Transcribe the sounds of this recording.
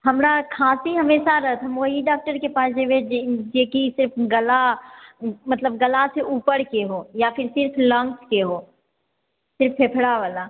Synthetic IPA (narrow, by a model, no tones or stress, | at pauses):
ɦɐmɾakʰaːsiɦəmeːʃaɾɐɦət̪ʰɦəmoɦiɖaːk̚ʈəɾkepaːsd͡ʒeʋed͡ʒeːkisɪɾpʰɡəla | mɐt̪ləb̚ɡəlaseʔuːpəɾkeɦoːjafʰɪɾsɪɾpʰlə̃ŋkskeɦoː | sɪɾfːepʰɽaʋaːla